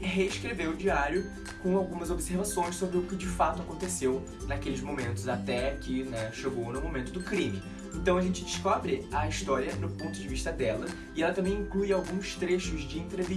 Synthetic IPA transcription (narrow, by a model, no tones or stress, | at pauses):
ɦeiskɾevewʊd͡ʒiaɾjʊ | kõawɡũmɐzobseɾvasõj̃sobɾɪʊkɪd͡ʒɪfat̪ʊakõnt̪esew | nakelɪzmomẽnt̪ʊzat̪ɛkɪnɛʃeɡownʊmomẽnt̪ʊd̪ʊkɾĩmɪ | ẽnt̪ɐ̃w̃ɐʒẽnt͡ʃɪd͡ʒɪʃkɔbɾɪɐist̪ɔɾiɐnʊpõt̪ʊd͡ʒɪviʃt̪ɐd̪ɛlɐ | ɪɛlɐt̪ɐ̃mbẽj̃ĩklujawɡũst̪ɾeʃʊzd͡ʒɪẽnt̪ɾevi